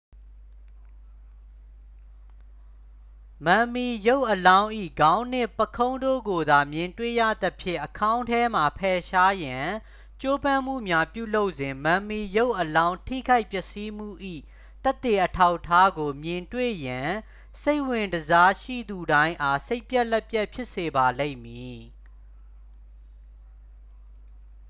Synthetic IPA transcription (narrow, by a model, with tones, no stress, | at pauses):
mã˨mi˨jo˦ʊʔːəlã˦ʊ̃ʔḭ˦˨ɡã˦ʊ̃n̥ɪ̃˦˨pəkʰõ˦ʊ̃ndo̰˦˨ɡo˨d̪a˨mjɪ̃˨ntwḛ˦˨jä̰˦˨d̪ə˦pʰjɪ̰̃˦˨ʔəkʰã˦ʊ̃ntʰɛ˦m̥a˨pʰɛ˨ʃa˦jã˨ | t͡ɕo˦bã˦˨m̥ṵ˦˨mja˦pjṵ˦˨lo˦ʊʔzɪ̃˨mã˨mi˨jo˦ʊʔːəlã˦ʊ̃ntʰḭ˦˨ɡa˦ɪʔpjɛ˦˨ʔsi˦m̥ṵ˦˨ʔḭ˦˨ | t̪ɛ˦t̪ːe˨ʔətʰa˦ʊʔtʰːa˦ɡo˨mjɪ̃˨ntwḛ˦˨jã˨ | se˦ɪʔwɪ̃˨ndəza˦ʃḭ˦˨d̪u˨ɾã˦ɪ̃ʔa˦se˦ɪpjɛ˦ʔlɛ˦pjɛ˦ʔpʰjɪ˦ʔse˨ba˨lḛ̃˦ɪ̃mji˨